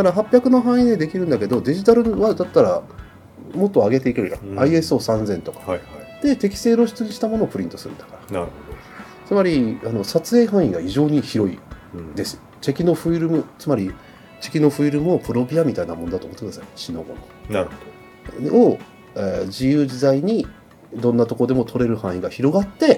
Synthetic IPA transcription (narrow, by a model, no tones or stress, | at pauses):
k̪aɾaɦapʲjakɯ̟no̞ɦãɰ̃ĩd̪ed̪e̞kʲiɾɯ̟̃nd̪ake̞d̪o̞d̪e̞ʑit̪aɾɯ̟βad̪at̪ːaɾa | mo̞t̪ːo̞aɡe̞t̪e̞ikeɾɯ̟jã̰aie̞sɨoːsãnd͡zẽ̞nt̪o̞kḁd̪̥e̞t̪e̞kʲi̥se̞ːɾo̞ɕi̥t͡sɨɲ̟iɕi̥t̪amo̞no̞ːpɯ̟ɾʲĩnt̪o̞sɨɾɯ̰nd̪ḁkaɾḁnɯo | t͡sɨmaɾʲiano̞sat͡sɨe̞ːɦãɰ̃ĩɡaiʑo̞ːɲ̟içiɾo̞ḭ | d̪e̞sɨ̥ot͡ɕe̞kʲino̞ɸɯ̟iɾɯ̟mɯ̟t͡sɨmaɾʲi | t͡ɕe̞kʲino̞ɸɯ̟iɾɯ̟mɯ̟opɯ̟ɾo̞bʲiamʲit̪ainamonod̪at̪omot̪ːekɯnasaɕinoɡo̞̰nono | o | eːd͡ʑijɯːʑizaiɲ̟i | d̪õ̞nːat̪o̞kood̪e̞mo̞t̪ʰo̞ɾe̞ɾɯ̟hãɰ̃ĩɡaçiɾo̞ɡat̪ːe̞